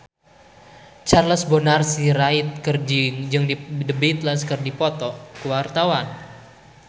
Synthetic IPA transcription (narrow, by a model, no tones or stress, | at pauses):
t͡ʃarləsbonarsiɾait̪̚kərd͡ʒiŋd͡ʒɨŋdidəbit̪laskərdipɔt̪ɔkəwart̪awan